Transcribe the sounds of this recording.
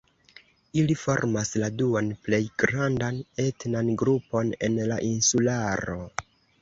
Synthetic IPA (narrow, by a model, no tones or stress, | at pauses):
ilifo̞ɾmasladuanple̞jɡɾandane̞tnanɡɾupo̞ne̞nlaʔinsulaɾo̞